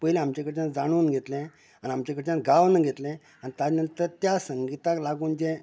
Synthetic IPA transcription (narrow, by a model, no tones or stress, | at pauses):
pəilɛ̃amt͡ɕakəɾt͡ɕãnd͡zaɽ̃uːnɡʱet̪lɛ̃ | aniamt͡ɕakəɾt͡ɕãɡaʋnəɡʱet̪lɛ̃ | anit̪ad͡ʑnənt̪əɾt̪jasəŋɡit̪aklaɡuːnd͡ʑẽ